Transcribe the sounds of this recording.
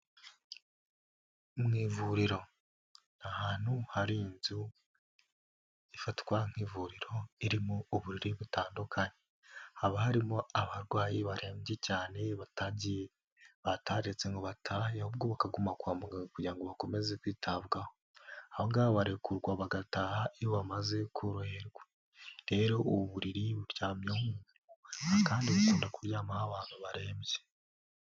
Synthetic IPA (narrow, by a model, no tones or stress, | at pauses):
mŋiːvuɾiɾo̞ | n̥ahaːn̥huhaɾinzu | ifatwaŋ̥hiːvuɾiɾo̞iɾimuuβuɾiɾiβutaːndukʰaɲe | haβahaɾimoaβaɾɡwaːjiβaɾe̞ːmɟecaːne̞βataɟ | βataɾeɾet͡se̞ŋɡoβatʰajahob̚ɡoβakaɡumakwaːmuɡaɡakuɟiɾaŋɡoβako̞me̞ze̞kwiːtʰaβɡaho | ahoŋɡaβaβaɾekʰuɾɡwaβaɡataːhaʔijoβamaze̞kʰuɾuheɾɡwe | ɾe̞ɾo̞oβuβuɾiɾiβuɾjaːmjomu | uakaːndiβakoːndakuɾjaːmahaβaːn̥huβaɾe̞ːmɟe